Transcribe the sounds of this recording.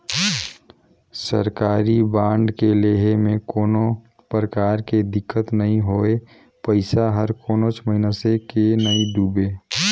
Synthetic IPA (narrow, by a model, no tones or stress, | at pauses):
sə̰ɾkaːɾibãːɳɖkeleːɦemẽkoːno | pɾəkaːɾked̪ɪkʰːət̪nəɦĩɦoːe | pəɪsaɦəɾkoːnot͡ʃməɦinasekenəiɖuːbeː